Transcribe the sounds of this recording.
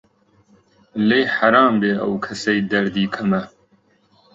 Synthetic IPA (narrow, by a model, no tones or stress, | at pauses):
lejħɐɾaːmbeːʔɐ̰wkʰɐsɐjd̪ɐɾd̪iːkʰɐmɐ